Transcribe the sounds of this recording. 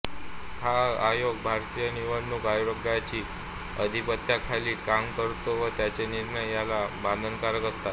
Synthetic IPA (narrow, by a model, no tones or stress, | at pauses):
haajoɡ̚bʱaɾt̪ijəniʋəɳːukajɾəɡajt͡ɕiː | əd̪ʱipət̪jakʰaliːkamkəɾt̪oʋət̪jat͡ɕeniɾɳəjːalabãnd̪ʱənkaɾəkəst̪at̪